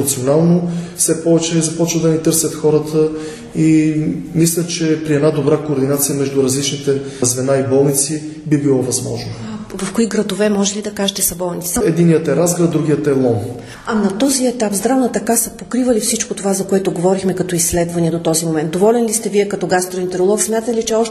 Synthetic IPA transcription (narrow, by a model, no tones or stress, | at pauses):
t̪sionalˠnofsɛpɔvɛt͡ʃɛizɐpɔt͡ʃvəd̪ɐnɛt̪ɤɾsʲɐt̪xɔɾət̪ʰə | imislʲət͡ʃɛpɾiɛd̪nad̪obɾakoːɾd̪inat̪sijəmɛʒd̪uɾɐzlit͡ʃnit̪ɛzvɛnaibɔlˠnit̪si | bibilˠɔvɐzmɔ̰ʒnovɐfkoiɡɾɐd̪ovɛmɔʒɛlid̪ɐkaʒɛt̪ɛsɐbɔlˠnit̪sɛd̪inːijət̪ɛɾazɡɾɐt̪̚d̪ɾuɡʲijət̪ɛlˠɔn | ɐnɐt̪ɔziɛt̪apzd̪ɾavnət̪ɐkasɐpokɾivɐlifsit͡ʃkot̪ovazɐkoɛt̪oɡovɔɾixmɛkɐt̪ɔislɛd̪vɐniɛd̪ot̪ɔzimomɛnt̪d̪ovɔlɛnlist̪ɛviɛkɐt̪ɔɡast̪ɾoint̪ɛɾolˠɔksmʲjat̪ət̪ɛlit͡ʃɛɔʃ